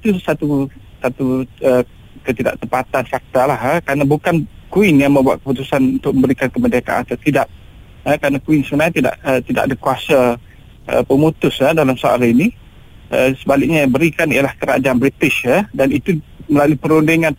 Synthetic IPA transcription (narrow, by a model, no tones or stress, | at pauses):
it̪usat̪usat̪uə | kət̪ida̰ʔ̚t̪əmpat̪anfak̚t̪alaɦəkɾanabukankuɪnjaŋmə̃mbua̰t̪̚kəput̪usanunt̪ʊk̚mə̃mbəɾikankəmədaka̰ʔa̰t̪at̪idaʔ̚ | əkɾanakuinsəbənaɲat̪ida̰ʔət̪idaʔadəkuasa | ə̰pəmut̪ʊsədalamsaa̰lini | ʔəsəbalɪk̚ɲabəɾikanijalahkəɾa̰d͡ʒaanbɾit̪ɪsədanit̪uməlaluipəɾundiŋan